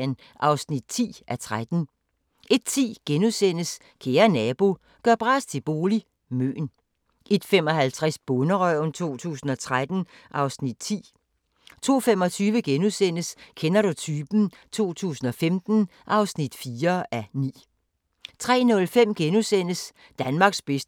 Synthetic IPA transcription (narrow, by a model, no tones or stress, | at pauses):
n | ʔɑ̈ʊsnid̥̚t͡sʰḭːʔæt͡sʰʁad̥n̩ | ʔe̝d̥̚t͡sʰḭːɡ̥enusen̰əs | kʰeːɐnɛːb̥o̝ | ɡ̥ɶɐ̰b̥ʁɑ̈ːst͡sʰe̝b̥o̝ːli | mø̰ːn | ʔe̝d̥fem̰ɒ̽hælt͡sʰʁasb̥ɔnəʁœnt͡sʰo̝̰ːt͡sʰṵːsn̩ɒ̽t͡sʰʁad̥n̩ | ʔɑ̈ʊsnid̥̚t͡sʰḭː | t͡sʰo̝̰ːfemɒ̽t͡sʰyːʋəɡ̥enusen̰əskʰenɐɾ̥ut͡sʰyːb̥n̩ | t͡sʰo̝̰ːt͡sʰṵːsn̩ɒ̽femd̥n̩ | ʔɑ̈ʊsnid̥fiːɐænḭː | t͡sʰʁɛ̰ːnɔ̽lfem̰ɡ̥enusen̰əs | d̥ænmɑ̈ːɡ̥sb̥esd̥